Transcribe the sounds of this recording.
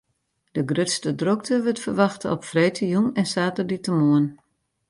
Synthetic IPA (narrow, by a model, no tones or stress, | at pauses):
d̥əɡrøtstədrok̚təʋətfərʋɑxtəɔpfrejtʰəjunɛnsaːtərditəmoən